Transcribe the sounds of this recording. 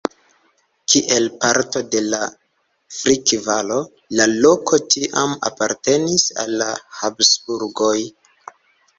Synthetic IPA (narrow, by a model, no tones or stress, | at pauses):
kʰiʔe̞lpaɾto̞de̞la | fɾikvalo̞ | lalo̞kʰo̞tiʔama̰paɾte̞nisa̰lːahapsbuɾɡo̞j